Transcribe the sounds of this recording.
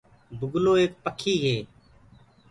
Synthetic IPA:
bʊɡloːeːk̚pəkʰiːɦeː

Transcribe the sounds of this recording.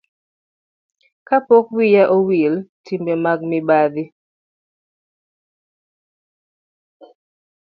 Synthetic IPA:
kapɔkwijaʔowiltimbemaɡ̚mɪbad̪ɪ

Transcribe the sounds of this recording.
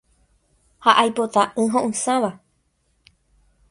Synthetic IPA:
haʔajpot̪aʔɨ̃ɦõʔɨ̃sãʋa

